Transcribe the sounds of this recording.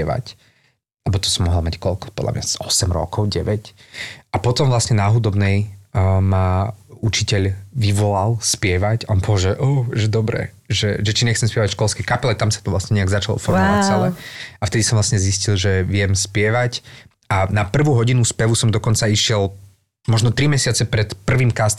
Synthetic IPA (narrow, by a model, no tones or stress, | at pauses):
ɛʋa̰c | lɛbɔt̪ɔ̥sɔmːɔɦɔlˠmackɔʎkɔ̥pɔd̪lʔa̰mɲa̰zɔsɛmɾɔ̰kɔʊɟɛʋɛcʔapɔt̪ɔmʋlasɲɛnaɦud̪ɔbnɛjmaut͡ʃicɛʎʋiʋɔlalˠspɪɛʋacaɔnpɔɦɔʒɛʔɔːʒɛd̪ɔbɾɛ̰ | ʒɛʒɛt͡ʃiɲɛxt͡sɛmspɪɛʋacʃkɔlˠskɛjkapɛlɛt̪amsat̪ɔʋlasɲɛɲɛaɡzat͡ʃalɔ̰fɔɾmɔʋat͡sɛlɛaft̪ɛd̪isɔmʋlasɲɛziscilˠʒɛʋɪɛmspɪɛʋac | anapr̩ʋuːɦɔɟinuspɛʋusɔmd̪ɔkɔnt͡saiʃɪɛlˠ | mɔʒnɔt̪ɾimɛsɪat͡sɛpɾɛt̪pr̩ʋiːmkast̪